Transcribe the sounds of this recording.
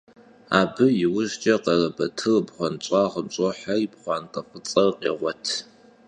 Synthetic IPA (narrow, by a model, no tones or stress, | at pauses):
aːbɨjɪwʊʒt͡ʃʼɐqɐrɐbɐtʰɨrbχʷɔnt͡ʃʼɑːʁəmt͡ʃʷʼɔħaibχʷɑːnqɐfʼɨt͡sʼɐrqʼḛːʁʷɔtʰ